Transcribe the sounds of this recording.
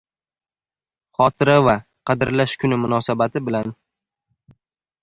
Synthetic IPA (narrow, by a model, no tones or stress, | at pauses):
χɒt̪ʰɪɾava | qʰɑd̪ɪɾlaʃkʰʊnɪmʊnɒsabat̪ʰɪbɪlan